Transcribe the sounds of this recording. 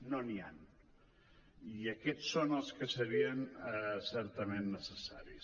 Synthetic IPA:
nonian | iəkɛt͡sːonəlˠskəsəɾiənəsɛɾt̪əmenːəsəsaɾis

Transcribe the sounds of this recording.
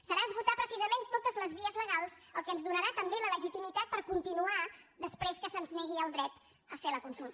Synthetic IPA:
səɾaəzβut̪apɾəsizəment̪ot̪əzləzβiəzləɣ̞alˠz̥əlˠkənzðunəɾat̪əmbelələʒit̪imit̪at̪̚pəɾkunt̪inuaðəspɾeskəsənzneɣiəlˠd̪ɾɛt̪ | əfeləkunsulˠt̪ə

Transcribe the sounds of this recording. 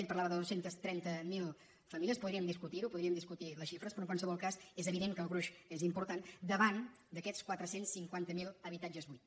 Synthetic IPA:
ɛʎpəɾlaβəðəðosent̪əst̪ɾɛnt̪əmilˠ | fəmiliəspuðɾiəmd̪iskut̪iɾupuðɾiəmd̪iskut̪iləsʃifɾəspɾɔəŋkwansəβɔlˠkazezəβiðeŋkəːlˠɣɾuʃezimpuɾt̪and̪əβand̪əkɛt͡skwat̪ɾəsensːiŋkwant̪əmilˠəβit̪ad͡ʒəzβujt̪

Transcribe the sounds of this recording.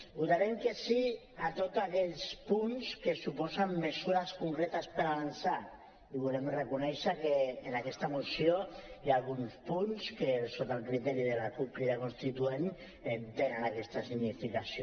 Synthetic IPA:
ut̪aɾemkesi | at̪ot̪akɛʎspunskesupɔzamːesuɾaskuŋkɾɛt̪aspəɾaβansa | iβ̞ulemrekunɛʃakeːnakɛst̪amusiojalɣunspunskesot̪alˠkɾit̪ɛɾiðelakupliɾakunst̪it̪uen | et̪enanakɛst̪asiɣnifikasio

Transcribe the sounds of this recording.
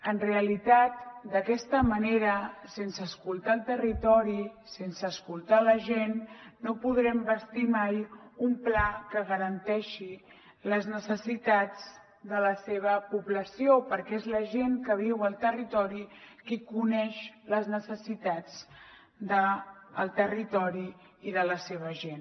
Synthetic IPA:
ənreəlit̪at̪̚d̪əkɛst̪əməneɾəsensəːskulˠt̪aːlˠt̪ərit̪ɔɾisensəːskulˠt̪aləʒenːopuð̞ɾɛmbəst̪imajumplakəɣəɾənt̪ɛʃi | ləznəsəsit̪ad͡z | d̪ələseβ̞əpuβləsiopəɾkɛezləʒeŋkəβ̞iwəlˠt̪ərit̪ɔɾikikunɛʃləznəsəsit̪ad͡z | d̪əːlˠt̪ərit̪ɔɾiː | ðələseβ̞əʒen

